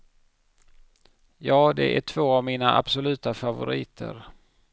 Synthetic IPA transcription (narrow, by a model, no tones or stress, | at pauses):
jɑːd̪ɛ̰ʔæʈʰv̥oːavmiːnaʔa̰b̥sʊlʉ̟ːt̪afavʊ̰ɾḭːt̪ʰə̰ɾ